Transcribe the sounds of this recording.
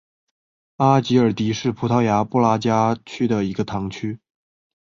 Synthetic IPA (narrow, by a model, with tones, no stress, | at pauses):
a˥t͡ɕi˧˥ə˞˨˩t̪i˧˥ʂɻ̩˥˩pʰu˧˥t̪ʰɑ˥ʊja˧˥pu˥la˥t͡ɕja˥t͡ɕʰy˥d̪ə˨i˧˥ɡə˧t̪ʰɑ˧˥ŋt͡ɕʰy˥